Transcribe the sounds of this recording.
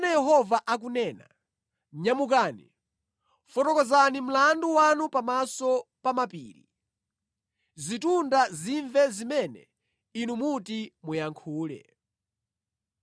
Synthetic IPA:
nɛjɛɦɔvaʔak̬unɛːna̰ | ɲamuk̬aːnḭ | fɔtɔkɔzanim̩landuwanupamasɔpamapḭːɾḭ | zitundaziɱvɛzimɛnɛ̰ | inumutimujaŋkʰuːlɛ̰

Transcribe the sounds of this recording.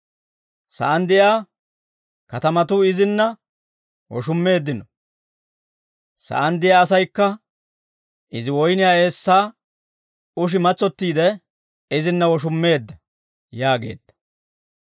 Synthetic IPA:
sɐ̰ʔɐnd̪ɪjaː | kɐt̪ɐmɐt̪ʊɪzɪnːɐ | wɔ̰ʃʊmːe̞ːd̪ːɪnɔ | sɐ̰ʔɐnd̪ɪjaːsɐjkːɐ | ʔɪzɪwɔjnɪjaːe̞ːsːaː | ʊʃ̬ɪmɐt͡sːɔt̪ːiːd̪ɛ | ɪzɪnːɐwɔʃ̬ʊmːe̞ːd̪ːɐ | jaːɡe̞̰ːd̪ːɐ̥

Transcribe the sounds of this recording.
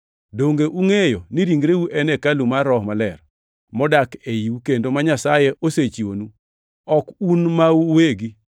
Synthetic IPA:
doŋɡeʔuŋejoniɾiŋɡɾeuʔɛnɛkalumarɾɔhmalɛr | mɔdakejiwukendomaɲasajɛʔoset͡ʃiwonu | ɔkunmauweɡi

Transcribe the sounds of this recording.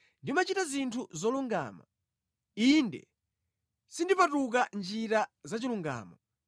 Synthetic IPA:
ndimat͡ʃitazintʰuzɔluŋɡa̰ːma̰ | indɛ̰ | sindipatuk̬and͡ʒiɾazat͡ʃiluŋɡa̰ːmɔ

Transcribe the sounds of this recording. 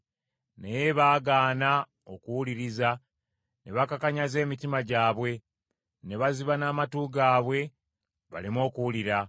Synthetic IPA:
nejeβaːɡaːna | o̞kuwuliɾiza | ne̞βakakaɲaze̞ːmitimaɟaːβwe̞ | ne̞βaziβanaːmatuːɡaːβwe̞ | βa̰limo̞ːkuwuliɾa

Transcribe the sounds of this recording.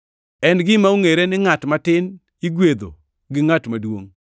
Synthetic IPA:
ɛnɡɪmauŋeɾenɪŋatmatɪn | iɡwed̪o̰ | ɡɪŋatmadwoŋ

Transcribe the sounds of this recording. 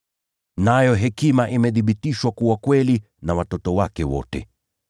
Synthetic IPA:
najɔɦɛkimaʔimɛðiɓitiʃwakuwakwɛli | nawatɔtɔwakɛwɔ̰tɛ̰

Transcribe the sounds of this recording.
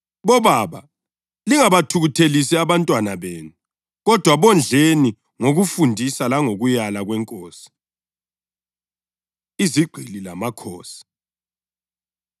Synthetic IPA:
βɔβaβa̰ | liŋaβatʰuɣutʰelisɛaβantʼwanaβeːnu | ɣɔd̥ʱwaβɔnd͡ɮʱeni | ŋoɣufundʱisalaŋoɣujalaɣwɛŋkʼoːsi̥ | iziɡ͡ǃʱililamakʰo̰ːsi̥

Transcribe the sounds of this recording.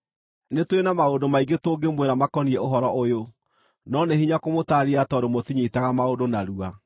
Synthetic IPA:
netwenamaodomaiɡetoːɡemweɾamakɔniɛoɦɔɾɔʔojo | nɔnehiɲakomotaɾiatɔɾomotiɲetaɣamaodonaɾua

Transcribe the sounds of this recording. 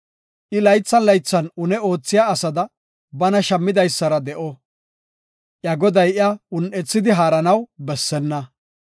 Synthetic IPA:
ʔɪlɐjt͡sːɐnlɐjt͡sːɐnʊnɛo̞ːt͡sːɪjaːsɐd̪ɐ | bɐnɐʃɐmːɪd̪ɐjsːɐɾɐd̪ɛʔɔ | ʔjɐɡɔd̪ɐjʔɪaʊnʔɛt͡sːɪd̪ɪɦaːɾɐnɐwbɛsːɛnːɐ

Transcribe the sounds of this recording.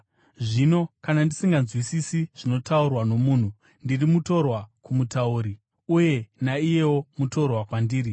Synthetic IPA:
ʐino̞kanandisiŋɡanzwisisiʐ̥ino̞taurwano̞muːn̤u | ndirimuto̞rwakumutauɾi | uje̞naije̞wo̞muto̞rwakwandiːɾi

